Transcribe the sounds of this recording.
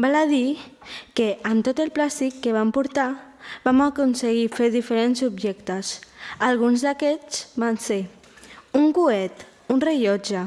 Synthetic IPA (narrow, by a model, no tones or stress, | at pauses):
balaðikeəmt̪ot̪elˠplast̪ikːeβ̞ampuɾt̪abamakunseɣifeɾðifəɾenzubʒɛkt̪əsalˠɣunzðakɛt͡sβanse | uŋkuɛt̪ | unreʎɔd͡ʒə